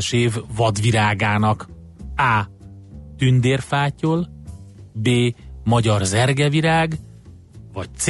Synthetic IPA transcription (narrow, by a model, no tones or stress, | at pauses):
ʃeːvːɒd̪viɾaːɡaːnɒk | aː | t̪ynd̪eːrfaːcol | beːmɒɟɒrzɛrɡɛviɾaːɡ | vɒc̚t̪s